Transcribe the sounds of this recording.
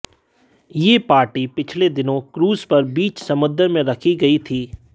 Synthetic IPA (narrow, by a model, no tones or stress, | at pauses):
jeːpaːɾʈipɪt͡ʃʰled̪ɪnõkɾuːzpɐɾbiːt͡ʃsɐmʊd̪əɾmẽɾɐkʰiɡɐit̪ʰiː